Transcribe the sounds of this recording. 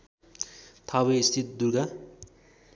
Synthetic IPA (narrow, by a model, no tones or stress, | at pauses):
t̪ʰabeist̪ʰit̪̚d̪uɾɡa